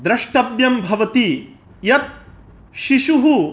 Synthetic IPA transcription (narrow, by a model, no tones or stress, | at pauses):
d̪ɾɐʂʈɐbjɐmbʱɐʋɐt̪i | jɐt̪̚ | ʃiʃuɦu